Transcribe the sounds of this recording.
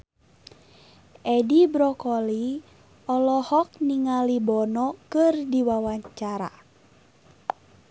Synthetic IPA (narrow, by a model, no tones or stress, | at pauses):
ʔɛdibɾɔkɔli | ɔlɔhɔk̚niŋalibɔnɔkɨrdiwawaɲt͡ʃaɾa̰